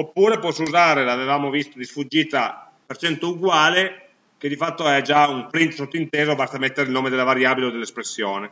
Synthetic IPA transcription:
opːuːɾepɔsːuzaːɾelavevaːmovist̪od̪isfud͡ʒːiːt̪a | pert͡ʃɛnt̪ouɡwaːle | k̟ed̪ifat̪ːoɛad͡ʒaumpɾint̪sot̪ːoint̪ɛːzobast̪amet̪ːeɾeilnoːmed̪elːavaɾjaːbileod̪elːespɾesːjoːne

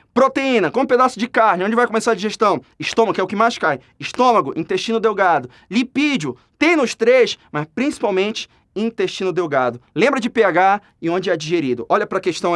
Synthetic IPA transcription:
pɾot̪eĩnɐkõʊped̪asʊd͡ʒɪkaɾnɪõd͡ʒɪvajkõmesaɾɐd͡ʒiʒeʃt̪ɐ̃w̃ɪʃt̪õmɐɡkɛʊkɪmajskaj | ɪʃt̪õmɐɡʊʔĩt̪eʃt͡ʃĩnʊd̪ewɡad̪ʊ | lipid͡ʒʊ | t̪ẽj̃nʊʃt̪ɾesmɐspɾĩsi̥pawmẽnt͡ʃɪ̥ | ĩnt̪eʃt͡ʃĩnʊd̪ewɡad̪ʊlẽmbɾɐd͡ʒɪpeaɡa | ɪõd͡ʒɪɛd͡ʒiʒeɾid̪ʊʔɔʎɐpɾɐkeʃt̪ɐ̃w̃

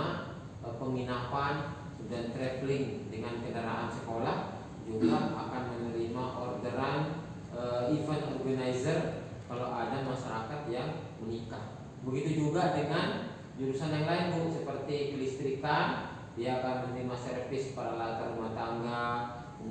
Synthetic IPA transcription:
a | pəŋinapan | udant̪ɾɛflɪŋdəŋankənəɾaɦansəkolah | d͡ʒuɡaakanmənəɾimaʔɔrdəɾan | əifənɔrɡanaizər | kalawʔadamaʃaɾakat̪jaŋ | mənikah | bəɡit̪ud͡ʒuɡadəŋan | d͡ʒuɾusanjaŋlaɪnt̪ʊʔsəpərt̪ikəlist̪ɾikan | diaːkanmənɾimasərfɪspaɾalat̪arumaht̪aŋɡa

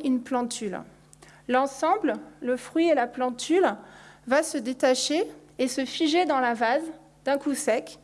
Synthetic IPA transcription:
ynplɑ̃t̪yl | lɑ̃sɑ̃blləfχɥielaplɑ̃t̪ʰylvasəd̪et̪aʃeːsəfiʒed̪ɑ̃lavaz | d̪ɛ̃kusɛk

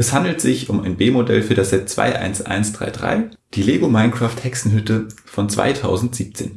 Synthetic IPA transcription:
ʔɛshandl̩tz̥ɪçʊmaɪnbeːmodɛ̰lfyːɐdasz̥ɛtt͡sv̥a̰ɪʔa̰ɪnsʔa̰ɪnsd̥ʁa̰ɪdʁa̰ɪ | d̥iːleːɡomaɪnkʁ̥aːfthɛksn̩ɦʏtəfɔnt͡sv̥a̰ɪtʰa̰ʊzn̩tz̥iːp̚t͡sḛːn

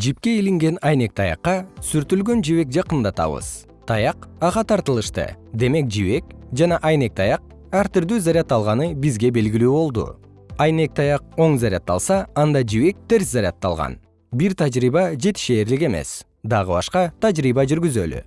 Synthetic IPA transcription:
d͡ʒipke̞iliŋɡe̞nɑjne̞k̚t̪ʰɑjɑ̰qːɑsyɾt̪ylɡø̞nd͡ʒiβe̞k̚d͡ʒɑqɯnd̪ɑt̪ɑ̰βɯ̰z̥ | t̪ʰɑjɑqɑʁɑt̪ʰɑɾt̪ɯlˠɯʃt̪ɯ̰d̪e̞me̞k̚d͡ʒiβe̞k̚d͡ʒɑnɑʔɑjne̞k̚t̪ʰɑjɑq̚ | aɾt̪iɾd̪yːzaɾʲat̪ːɑlˠʁɑnɯbizɡe̞be̞lɡilyːbo̞lˠd̪ṵ | ɑjne̞k̚t̪ɑjɑq̚o̞ɴzaɾʲɑ̰t̪ːɑ̰lˠsɑɑnd̪ɑd͡ʒiβe̞k̚t̪e̞ɾszaɾʲat̪ːɑ̰lˠʁɑ̰n | biɾt̪ʰad͡ʒɾiβɑd͡ʒe̞t̪i̥ʃe̞ːɾlike̞me̞̰s | d̪ɑʁɯβɑ̰ʃqɑt̪ʰad͡ʒɾiβɑd͡ʒyɾɡyzøly̰

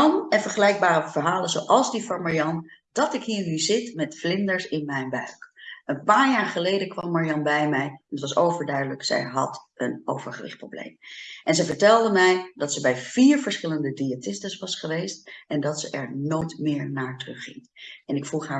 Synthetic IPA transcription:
nɛnvəɹχəlɛjɡ̚baːɾəvəɹɦaːlənzowʔɑlˠzdifɔmaɹjɑndɑtɪkɦiːɹnyzɪtmɛtflɪndəɹsɪnmɛjnbœɥkənpaːɹjaːɹχəlejdəkʋɑmːaɹijɑnbɛjmɛjɛnətʋɑsowvəɹdœɥdələksɛ̰jɦɑ̰təno̰wvəɹχəʋɪ̰χt̚pro̰blḛjmʔɛnzɛjvəɹtɛlˠdəmɛjdɑtsəbɛjv̥iːɹvəɹsχɪləndədiatɪstəsʋɑsχəʋejstɛndɑtsəʔɛɹnojtmɪːɹnaːɹtrɵχɪ̰ŋɛnɪkfuχɦaː

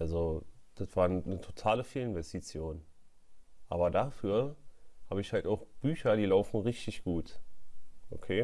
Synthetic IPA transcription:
ʔalzod̥ətv̥aːɐnnətʰotʰaːləfeːlɪnvɛstit͡sjoːn | ʔa̰ːbɐdafyːɐhaːbəɪçhaltaʊxb̥yːçɐdiːlaʊfn̩ʁɪçtɪçɡ̥uːt | ʔo̰kʰeː

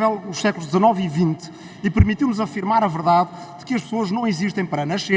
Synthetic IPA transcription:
vɛlˠuʃsɛklˠuʒd̪zɐnɔvivĩnt̪ | ipɨɾmit̪iwnuzɐfiɾmaɾɐvɨɾðað | d̪ɨkɨɐʃpsoɐʒnɐ̃w̃iziʃt̪ɐ̃j̃pɐɾɐnɐʃe

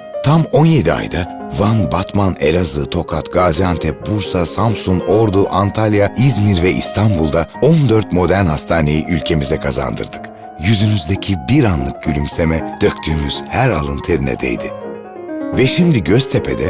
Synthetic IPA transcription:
t̪ʰamo̞nje̞d̪ia̰jd̪a | vanbat̪manelʲazɯt̪ʰo̞kʰat̪ɡ̥aːzijant̪ʰɛbuɾsasampsunoɾd̪uʔant̪ʰalʲˠjaizmiɾvɛʔḭst̪ʰanbulˠd̪ao̞nd̪øɾt̪mo̞d̪æɾnhast̪ʰaːne̞jiʔylʲcʰe̞mizɛkʰaza̰nd̪ɯ̰ɾd̪ɯk | jyzynyzd̪ecʰibiɾanlˠɯk̚ɟ̥ylʲymsemɛd̪̥ø̞ct̪ʰyːmyz̥hæɾalˠɯnt̪ʰeɾinɛ̰d̪ḛjd̪ɪ | vɛʃimd̪iɟøst̪ʰepʰe̞̰d̪ɛ

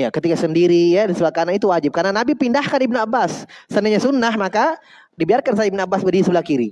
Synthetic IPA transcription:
jakət̪ikasəndiɾijadisəbakanait̪uwad͡ʒɪp̚karnanabipindahkanibnuabːasːənəɲasunaɦmaka | dibiarkansajaibnuabːasbədisəbəlakiɾi

